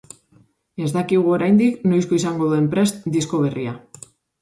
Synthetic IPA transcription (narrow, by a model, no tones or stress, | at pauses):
e̞zd̪akiɣ̞uo̞ɾajnd̪ikno̞jsko̞isaŋɡo̞ðue̞mpɾe̞st̪d̪isko̞β̞e̞ria